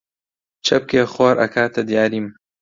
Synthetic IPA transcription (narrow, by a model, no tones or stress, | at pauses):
t͡ʃʰɐp̚keːxoːɾʔɐ̰kʰaːt̪ʰɐd̪ijaːɾiːm